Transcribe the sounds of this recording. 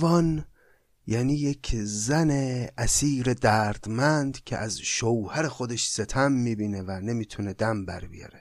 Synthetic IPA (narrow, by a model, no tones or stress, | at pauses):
vɒːn | jæniːjekʰzæneæsiːɾe̞d̪æːɾd̪̥mænd̪cʲʰḛʔæzʃowhæɾe̞xod̪e̞ʃse̞t̪ʰæmːiːbiːne̞væne̞miːt̪ʰune̞d̪æmbæ̰ɾbḭjɒ̰ɾe